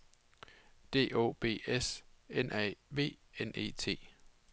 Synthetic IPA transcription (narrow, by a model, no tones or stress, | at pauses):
d̥e̝̰ːo̝̰ːb̥e̝̰ːesenʔɛʋe̝̰ːene̝̰ːt͡sʰe̝̰ː